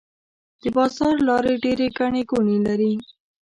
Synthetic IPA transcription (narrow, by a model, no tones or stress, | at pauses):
d̪̥əbɑzɑɾlɑɾeɖeɾeɡaɳeɡonelaɾi